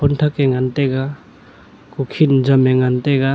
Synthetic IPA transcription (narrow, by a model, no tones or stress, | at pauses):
ɔntʰakeŋanteɡa | kukʰind͡ʒameŋanteɡa